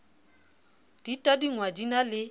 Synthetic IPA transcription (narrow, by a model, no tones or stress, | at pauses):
d̥itʼadiŋwadinalɪ